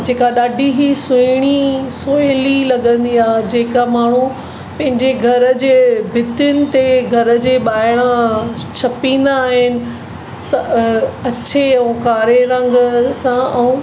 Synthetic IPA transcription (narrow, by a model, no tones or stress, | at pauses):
d͡ʑeːkaɗaːɖʱiɦisʊɪɽ̃isoːjlilɐɠə̃nd̪iaːd͡ʑeːkamaːɳ̤̃u | pɐ̃ɦɪ̃ɲd͡ʑeɡʱɐɾə̆d͡ʑeːbʱɪt̪jʊnɪ̆t̪eɡʱɐɾə̆d͡ʑeːɓaːɪɽ̃a | t͡ɕʰɐpĩːn̆d̪aːɦɪnɪ̆ | s | ɐt͡ɕʰeɛ̃kaːɾeɾɐ̃ŋɡəsãɛ̃ũ